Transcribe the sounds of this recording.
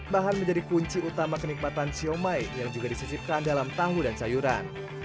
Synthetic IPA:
baɦanməɲd͡ʒadikuɲt͡ʃiut̪amakənik̚mat̪ansiomajjaŋd͡ʒuɡadisisip̚kandalamt̪aɦudansajuɾa̰n

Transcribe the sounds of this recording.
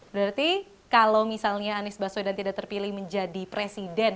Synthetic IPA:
bəɾart̪i | kalawmisalɲaːnɪsbasodant̪idaʔ̚t̪ərpilɪhməɲd͡ʒadipɾesidɛn

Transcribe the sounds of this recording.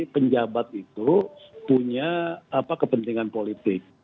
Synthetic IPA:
pəɲd͡ʒabat̪̚it̪upuɲaːpakəpənt̪iŋanpolit̪ɪk̚

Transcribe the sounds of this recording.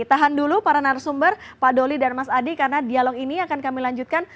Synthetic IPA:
t̪aɦandulupaɾanarsumbərpadolidanmasadikarənadialɔkiniakankamilaɲd͡ʒut̪̚kan

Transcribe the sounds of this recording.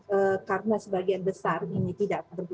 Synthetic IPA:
əkarənasəbaɡianbəsarinit̪idaʔakat̪ərb

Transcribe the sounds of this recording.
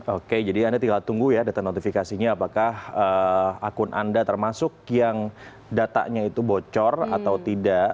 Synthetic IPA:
oked͡ʒadiandat̪iɡakat̪ːuŋɡujadat̪anot̪ifikasiɲaːpakahəakʊnʔa̰ndat̪ərmasʊk̚jaŋ | dat̪a̰ʔɲait̪ubot͡ʃɔra̰t̪awt̪idaʔ

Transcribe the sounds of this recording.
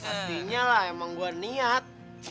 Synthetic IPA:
at̪iɲalahemaŋɡuaniat̪̚

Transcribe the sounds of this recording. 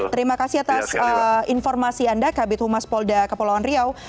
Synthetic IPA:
t̪əɾimakasihat̪asəinfɔrmasiandakabɪt̪̚humaspɔldakəpolawanriaw

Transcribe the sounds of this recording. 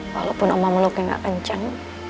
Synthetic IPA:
wa̰lopʊnɔmaməlʊkaŋɡa̰ʔkəɲt͡ʃaŋ

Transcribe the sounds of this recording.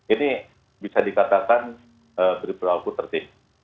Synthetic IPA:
ini | bisadikat̪akan | əbəɾipəɾakut̪ərt̪im

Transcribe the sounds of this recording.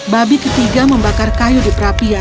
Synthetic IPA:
babikət̪iɡaməmbakarkajudipəɾapia

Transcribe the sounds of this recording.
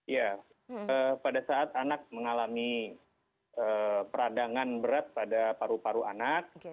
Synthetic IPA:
ja | əːpadasaːt̪anak̚məŋalami | əːpəɾadaŋanbəɾat̪̚padapaɾupaɾua̰nak̚

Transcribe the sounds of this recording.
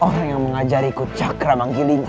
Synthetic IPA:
oɾaŋjaŋməŋad͡ʒaɾikut͡ʃakɾamaŋɡiliɲ

